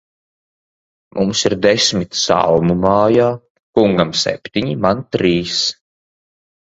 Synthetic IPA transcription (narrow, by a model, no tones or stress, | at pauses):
mʔumsiɾd̪ɛsmit̪sa̰lmumaːjaː | kuŋɡamsɛ̰pʲt̪ʲiɲimant̪ɾiːs